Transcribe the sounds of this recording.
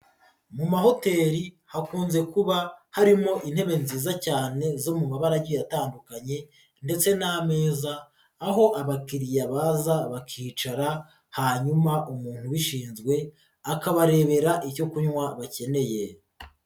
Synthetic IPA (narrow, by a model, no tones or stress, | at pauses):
mumaɦo̞te̞ːɾi | hakuːnze̞kuβahaɾimo̞ʔin̥he̞βe̞nziːzacaːne̞zo̞mumaβaɾaɾjo̞jataːndukaɲe̞ | nde̞t͡se̞name̞ːzaː | ɦo̞ʔaβakiɾijaβazaβakʰiːt͡ʃaɾa | haːɲumaʔumuːn̥huβiʃiːnzɡwe̞ | akaβaɾe̞ːβe̞ɾaʔiɾo̞kuɲwaβace̞ne̞je̞